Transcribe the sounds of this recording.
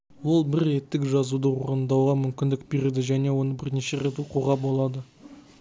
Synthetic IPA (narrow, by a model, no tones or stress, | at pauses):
wo̞lˠbɪɾe̞t̪ːɪkʒɑzud̪əwoɾənd̪ɑwʁɑmʏmkʲɪnd̪ɪk̚be̞ɾed̪ɪʒæne̞wo̞nəbɪɾneʃe̞ɾe̞t̪uquʁɑbo̞lˠɑd̪ə